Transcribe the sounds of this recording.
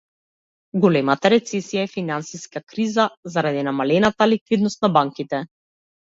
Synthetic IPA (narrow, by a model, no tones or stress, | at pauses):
ɡɔlɛmat̪aɾɛt̪sɛsijaɛfinansiskakɾizazaɾad̪inamalɛnat̪alikvid̪nɔst̪nabaŋkit̪ɛ